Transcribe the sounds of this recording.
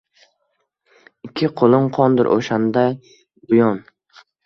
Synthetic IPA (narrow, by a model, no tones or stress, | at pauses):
ɪkʲʰːɪqʰolˠɪɴqʰɒnd̪ɪɾʔo̰ʃand̪a | bʊjɒn